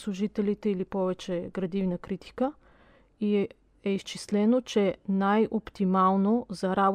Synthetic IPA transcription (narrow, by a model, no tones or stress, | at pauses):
slˠuʒit̪ɛlit̪ɛilipɔvɛt͡ʃɛɡɾɐd̪ivnəkɾit̪i̥kə | i | ɛist͡ʃislɛnot͡ʃɛnajopt̪imalˠnozɐɾab